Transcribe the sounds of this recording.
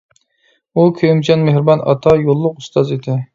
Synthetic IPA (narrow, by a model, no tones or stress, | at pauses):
ukʲʰømt͡ʃʰɑnmehɾbɑnʔɑ̰t̪ʰɑjolˠːʊqust̪ʰɑzed̪ɪ